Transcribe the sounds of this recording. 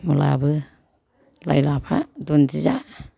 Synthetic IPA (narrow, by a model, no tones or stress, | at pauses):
mula̰bɯ | lajlapʰadund͡ʒizaʔ